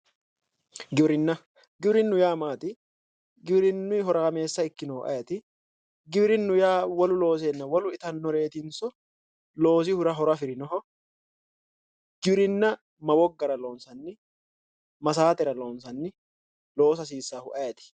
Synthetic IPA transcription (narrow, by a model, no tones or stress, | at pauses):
ɡɪbɾɪnːɐ | ɡɪbɾɪnːʊjaːmaːt̪ɪ | ɡɪbɾɪnːʊɪɦɔɾɐɐme̞ːsːɐɪkːɪnɔːʔɐ̰jɐt̪ɪ | ɡɪbɾɪnːʊjaːwɐlʊlo̞ːs̬enːɐwɐlʊɪt̪ɐnːɔɾe̞ːt̪ɪnsɔ | lo̞ːs̬ɪhʊɾɐɦɔɾɐfɪɾɪnɔɦɔ | ɡ̥ɪbɾɪnːɐ | mɐwɔɡːɐɾɐlo̞ːnsɐnːɪ | mɐsaːt̪ɛɾɐlo̞ːnsɐnːɪ | lo̞ːsɐs̬iːsːaːhʊʔɐjɐt̪ɪ̥